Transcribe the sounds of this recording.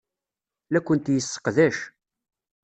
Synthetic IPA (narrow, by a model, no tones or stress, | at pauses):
lækʷːənt̪jəsːə̥qðæʃ